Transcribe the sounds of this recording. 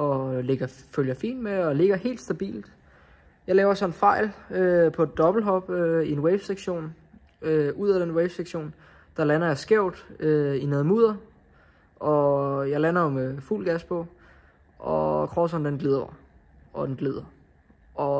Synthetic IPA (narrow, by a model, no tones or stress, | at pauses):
ɒ̽le̝ɡ̥ɐføljɐfḭːnd̥meɒ̽le̝ɡ̥ɐhe̝̰ːld̥sd̥æb̥ḭːld̥ | jɑ̈ɪlɛːʊɐsɒ̽nfɑ̈ɪ̰løpʰɒ̽e̝d̥ːɒ̽b̥l̩ɦɒ̽b̥øie̝nweɪʋseɡ̥ɕo̝̰ːn | øuð̰ˠæd̥enweɪʋseɡ̥ɕo̝̰ːn | d̥ɑ̈lænɐjɑ̈ɪsɡ̥eʊ̰d̥øineːð̩ˠmuːð̞̰ˠɐ | ʔɒ̽jɑ̈ɪlænɐjomefṵlɡ̥æspʰɔ | ʔɒkʰʁɒsɒnd̥enɡ̥le̝ðˠɐ | ʔɒ̽d̥enɡ̥le̝ðˠɐ | ʔɒ̽